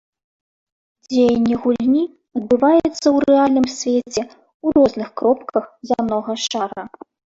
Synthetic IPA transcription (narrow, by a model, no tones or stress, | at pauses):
d͡zʲejɐnʲːɛɣulʲnʲi | ɐd̪̚bɨvajɛt̪sːɐwɾɛalʲnɨmsʲvʲet͡sʲɛ | uɾɔznɨxkɾɔp̚kʰɐxzanɔɣɐʂaɾɐ